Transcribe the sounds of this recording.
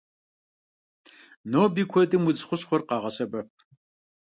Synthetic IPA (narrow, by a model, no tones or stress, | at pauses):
noːbiːkʷʰɔdɨmwʊd͡zχʷʊɕχʷɔrqɑːʁɐsɐbɐp̚